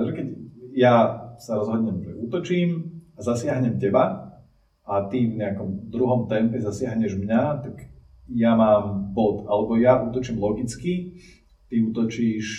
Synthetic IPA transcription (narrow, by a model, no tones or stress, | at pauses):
ʒɛkɛɟjasaɾɔzɦɔd̪ɲɛmʒɛuːt̪ɔt͡ʃiːmazasɪaɦɲɛmcɛba | ʔat̪ivɲɛakɔmd̪ɾuɦɔmt̪ɛmpɛzasɪaɦɲɛʒmɲat̪aɡ | jamaːmbɔt̪alɛbɔjaʔuːt̪ɔt͡ʃiːmlɔɡit͡ski | t̪iuːt̪ɔt͡ʃiːʃ